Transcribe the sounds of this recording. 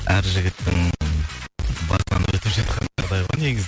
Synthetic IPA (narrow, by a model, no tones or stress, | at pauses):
æɾʒɪɡʲɪt̪ːɪŋ | bɑ̰sɑ̰nwɵt̪ɪpʒɑt̪̚qɑnɑʁd̪ɑjʁɑne̞ɡʲɪz